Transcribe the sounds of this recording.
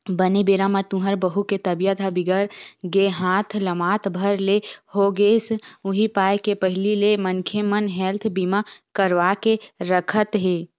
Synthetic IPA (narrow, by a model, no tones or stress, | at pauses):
bənebeːɾamat̪ũɦəɾbəɦuket̪ɐbijət̪ʰabɪɡəɽɡeɦãːt̪ʰləmaːt̪ʰbʱəɾlehoɡeːsʊɦipaːekepəɦɪlilemənkʰemənɦɛːlt̪ʰbimakəɾʋakeɾəkʰət̪ɦeː